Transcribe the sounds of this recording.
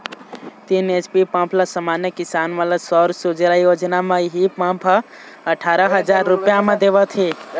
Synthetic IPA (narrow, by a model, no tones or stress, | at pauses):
t̪iːnet͡ʃpipãpʰlasamaːnjəkɪsaːnʋaːlasɔːɾsud͡ʒɾaːijoːd͡ʒnamãɦipãpʰ | əʈʰaːɾəɦəd͡ʒaːɾːʊpjamẽd̪eʋət̪ʰeː